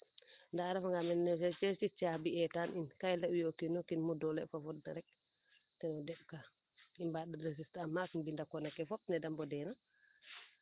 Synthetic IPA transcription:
ndaɾɛfaŋɡamɛnnɛsɛt͡ʃɛt͡ʃit͡ʃaːbiɛtaninkajlaujokinɔkinmudɔlɛ̰fafɔt̚da̰ɾɛk̚ | tɛnɔdɛɓ̚ka | imbaːɗɛɾes̬istamakmbindakɔnakɛfɔp̚nɛdambɔdɛna

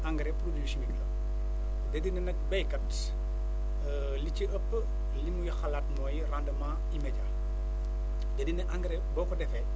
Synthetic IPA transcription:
aŋɡɾɛpɾodusniɡlɐ | dɛdinɛnɐk̚bɛjkɐt | liciʔəpː | limujixɐlaːt̚nɔːjirandɐmaː | imɛɟaːl | dɛdinɛʔaŋɡɾɛbɔːkɔdɛfɛ

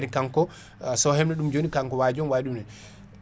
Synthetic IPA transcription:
ɾikaŋkɔ | sɔhɛmnɛɗumd͡ʒonikaŋkɔwad͡ʒɔnwaɗumnɛ

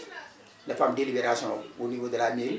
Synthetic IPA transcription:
nafamdelibeɾasɔ̃onivodɛlamil

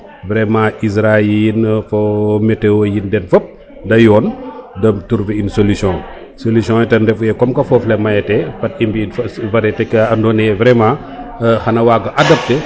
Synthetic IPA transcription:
vɾɛmãːʔis̬ɾajinfomɛtːɛwojindɛnfɐp̚ | dɐjɔːndɐmtuɾfiinsolisjɔ̃ | solisjɔ̃ːjɛtɐndɛfujɛkɔmkɐfɔflɛmɐjɐtɛpɐtimbifɐvɐɾɛtɛkɐɐndɔnɛvɾɛmãː | xɐnɐwaːɡɐʔɐdɐp̚tɛ

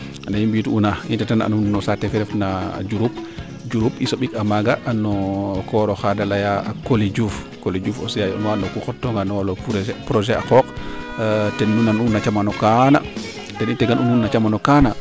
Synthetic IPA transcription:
najimbituunaintɛtana̰nunːɔsatɛfɛɾɛfnad͡ʒuɾup̚ | d͡ʒuɾupisoɓikamaɡaʔːnɔkɔɾɔxadalajaakolid͡ʒuf | kolid͡ʒufo̰sijajɔ̰nwanɔkuxɔtːɔŋɡanɔwalɔpɾɔd͡ʒɛa̰kɔk | tɛnːunanunːat͡ʃamanɔkana̰ | dɛnintɛɡanʔununːat͡ʃamanɔkana

